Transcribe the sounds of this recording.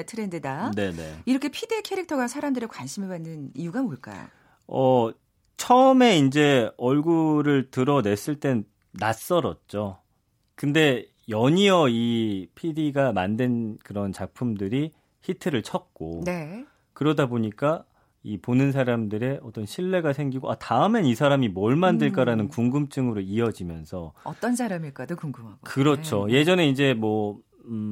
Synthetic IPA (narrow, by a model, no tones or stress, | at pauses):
tʰɯɾendɯdane̞nḛiɾʌkʰe̞pʰidikʰeɾik̚tʰʌɡasʰaɾamdɯɾekwanɕʰimɯɭbanːɯnijuɡamoɭk͈a̰jo̰ | ʌ | t͡ɕʰʌɯme̞ind͡ʑe̞ʌɭɡuɾɯɭtɯɾʌne̞s͈ɯɭt͈e̞ | nas͈ʌɾʌt̚t͡ɕ͈o | kɯnde̞ | jʌɲiʌipʰidiɡamandwenkɯɾʌnt͡ɕak̚pʰumdɯɾi | çitʰɯɾɯɭt͡ɕʰʌk̚k͈one | kɯɾʌdaboɲik͈a | iponɯns̬ʰaɾamdɯɾe̞ʔʌt͈ʌnɕʰiɭːe̞ɡasʰe̞ŋɡiɡoʔataɯme̞nisʰaɾamimʌɭmandɯɭk͈aɾanɯnkuŋɡɯmt͡ɕ͈ɯŋɯɾoiʌd͡ʑimjʌnsʰʌʌt͈ʌnsʰaɾamiɭk͈adokuŋɡɯmakɯɾʌt͡ɕʰoje̞d͡ʑʌneind͡ʑe̞mwʌ